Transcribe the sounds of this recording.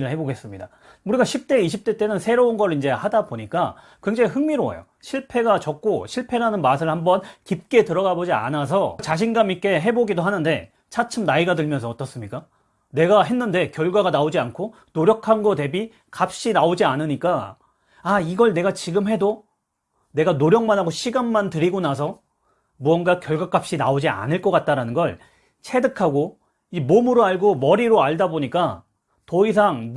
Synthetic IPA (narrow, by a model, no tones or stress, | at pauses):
ɾɯɭhe̞boɡe̞s͈ɯmɲida | uɾiɡaɕʰip̚t͈e̞iɕʰip̚t͈e̞t͈e̞nɯnsʰe̞ɾounɡʌɾɯɭind͡ʑe̞hadaboɲik͈a | kwe̞ŋd͡ʑaŋiɦɯŋmiɾoa̰jo̰ | ɕʰiɭpʰe̞ɡat͡ɕʌk̚k͈oɕʰiɭpʰe̞ɾanɯnmas̬ʰɯɭhambʌnkip̚k͈e̞tɯɾʌɡabod͡ʑia̰nas̬ʰʌt͡ɕaɕ̬ʰinɡamik͈e̞ɦe̞boɡidoɦanɯnde̞ | t͡ɕʰat͡ɕʰɯmnaiɡadɯɭmjʌnsʰʌʌt͈ʌs͈ɯmɲik͈a | ne̞ɡaɦe̞nːɯnde̞kjʌɭɡwaɡanaod͡ʑiankʰo | noɾjʌkʰanɡʌde̞bi | kap̚ɕ͈inaod͡ʑianɯɲik͈a | aiɡʌɭne̞ɡat͡ɕiɡɯmɦe̞do | ne̞ɡanoɾjʌŋmanɦaɡoɕʰiɡanmantɯɾiɡonas̬ʰʌ | buʌnɡakjʌɭɡwak͈ap̚ɕ͈ina̰od͡ʑia̰nɯɭk͈ʌk͈at̚t͈aɾanɯnɡʌɭ | t͡ɕʰe̞dɯkʰaɡo | imomɯɾoaɭɡomʌɾiɾoaɭdaboɲik͈a | tʌis̬ʰaŋ